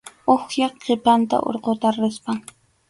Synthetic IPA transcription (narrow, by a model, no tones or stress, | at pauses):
oχjɑχqʰepant̪a̰ʔo̰ɾqot̪aɾɪspaŋ